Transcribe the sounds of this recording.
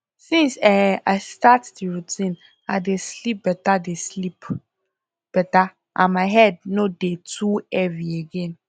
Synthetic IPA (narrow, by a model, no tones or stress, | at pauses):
sĩnsɛaɪstatdiɹutʰĩn | aɪdeslip̚b̥ɛtadeslip | b̥ɛta | ʔãnmaɪɦɛd̚nodetʰuɛvieɡɛ̃n